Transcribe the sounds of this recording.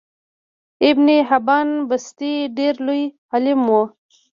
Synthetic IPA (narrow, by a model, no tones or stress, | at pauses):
ɪbniɦabɑnbast̪iɖeɾlojhalɪmwo